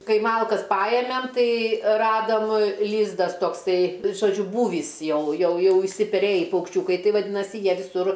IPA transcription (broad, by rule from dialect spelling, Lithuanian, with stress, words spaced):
ˈkɐɪ ˈmɐlˠkɐs ˈpɑːjɛmʲɛm ˈtɐɪ ˈrɑːdɐm ˈlʲiːzdɐs toːkˈsɐɪ ʒoːˈd͡ʒʲʊ ˈbuːʋʲiːs ˈjɛʊ ˈjɛʊ ˈjɛʊ ɪʃʲsʲɪpʲɛˈrʲeːjiː pɐʊkʃʲˈt͡ʃʲuːkɐɪ ˈtɐɪ ʋɐˈdʲiːnɐsʲɪ ˈjiɛ ʋʲɪˈsʊr